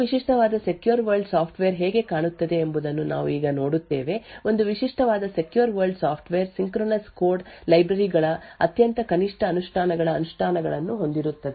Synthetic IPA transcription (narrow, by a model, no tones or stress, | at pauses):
ʋiʂiʂʈɐʋaːd̪ɐse̞kjuɾʋɐɾɖsaːpʰʈʋeːɾɦeːɡe̞kaːɳut̪ːɐd̪e̞ːmbud̪ɐnːuna̰ːʋuiːɡɐno̞ːɽut̪ːe̞ːʋe̞o̞nd̪uʋiʂiʂʈɐʋaːd̪ɐse̞kjuɾʋɐɾlɖsaːpʰʈʋeːɾsiŋkɾoːnɐskoːɾɖlɐjbɾɐɾiɡɐɭɐɐt̪jɐnt̪ɐkɐniʂʈɐːnuʂʈʰaːnɐɡɐɭɐːnuʂʈʰaːnɐɡɐɭɐnːuɦo̞nd̪iɾut̪ːɐd̪e